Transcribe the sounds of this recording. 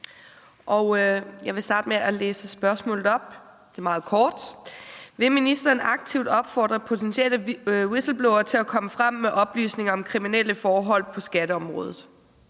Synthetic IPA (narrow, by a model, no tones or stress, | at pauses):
ʔɒʊjɑ̈ɪʋe̝sd̥ɑ̈ːd̥meʔælḛːsəsb̥ɶɐsmɔ̰̽ːlð̩ˠɒ̽b̥̚ | d̥e̝mɑ̈ːð̞̩ˠkʰɒːd̥ | ʋe̝minisd̥ɐːnʔɑ̈ɡ̥̚t͡sʰiʊd̥ɒ̽b̥fɒ̰ːd̥ʁɐpʰo̝t͡sʰensieləwisl̩b̥loʊɐt͡sʰe̝lækʰɒ̽məfʁam̰ːeʔɒ̽b̥ly̰ːsne̝ŋɐɒ̽mkʰʁiminel̰əfɒːɦɒ̽l̰pʰɒ̽sɡ̥æd̥əɒ̽mʁɔ̽ːðˠð̩ˠ